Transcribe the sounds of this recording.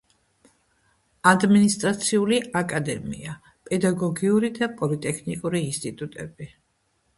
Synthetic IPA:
ad̪minist̪ʼɾat̪sʰiuliakʼad̪ɛmḭa | pʼɛd̪aɡɔɡiuɾid̪apʼɔlit̪ʼɛkʰnikʼuɾiːnst̪ʼit̪ʼut̪ʼɛb̥i

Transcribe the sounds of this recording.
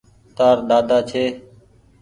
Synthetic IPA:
t̪aːɾɗ̪aːd̪aːt͡ʃʰeː

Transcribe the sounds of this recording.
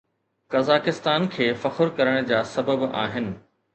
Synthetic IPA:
kɐzaːkɪst̪aːnkʰeːfɐxʊɾkɐɾəɽ̃d͡ʑaːsɐbəba̰ːɦɪnɪ̆

